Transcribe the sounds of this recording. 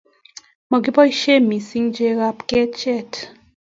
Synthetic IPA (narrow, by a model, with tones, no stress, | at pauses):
mɔ˨ɡi˦pɔ˦i˦ʃe˦mi˨si˦ŋd͡ʒe˦ɣa˦pkɛ˦t͡ʃɛ˦˨t